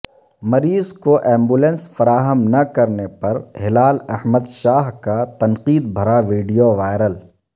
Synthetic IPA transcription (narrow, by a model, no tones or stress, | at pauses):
mɐɾiːzkoʔɛ̃ːmbulɛ̃nsfɐɾaːɦəmnɐkɐɾnepɐɾhɪlaːlɛhməd̪ʃaːɦkat̪ɐnqiːd̪̚bʱɐɾaʋiːɖijoʋaːɪɾəl